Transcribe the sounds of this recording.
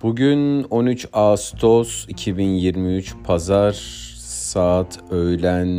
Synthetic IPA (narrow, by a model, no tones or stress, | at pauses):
b̥uɟyno̞nyt͡ʃast̪ʰo̞sicʰibinjiɾmiyt͡ʃpʰazaɾ | saːt̪ʰøjlʲæn